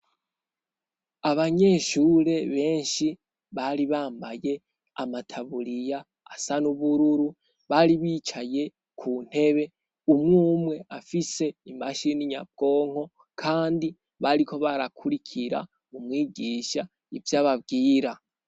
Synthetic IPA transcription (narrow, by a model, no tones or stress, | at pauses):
aβaɲe̞ʃuːɾe̞βe̞ːnʃi | βaɾiβaːmbaje̞ | a̰matʰaβuɾijaː | sanuβuɾuɾu | βaɾiβiːt͡ʃaje̞ | kʰuːn̥he̞βe̞ | umŋuːmŋe̞afise̞imaʃiniɲa̰b̚ɡ̥o̞ːŋ̥ho̞ | kʰaːndi | βaɾikʰo̞βaɾakʰuɾikʰiɾa̰ | mumŋiːɡiːʃa | ivjaːβabɡiːɾa